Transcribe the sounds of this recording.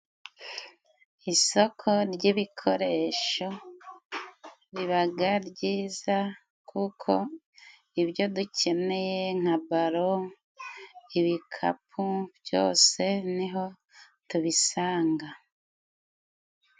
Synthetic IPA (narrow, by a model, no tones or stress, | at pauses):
iso̞kʰo̞ɾɟiβikʰo̞ɾe̞ʃo̞ | ɾiβaɡaɾɟiːza | kʰukʰo̞ | iβjo̞ducʰe̞ne̞je̞ŋ̥abaɾo̞ | iβikʰa̰pʰubjo̞̰ːse̞niɦo̞ | tuβisaːŋɡa